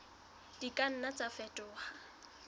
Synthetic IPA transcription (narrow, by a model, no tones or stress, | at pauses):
d̥ikʼan̩nat͡sʼafɛtʼʊːha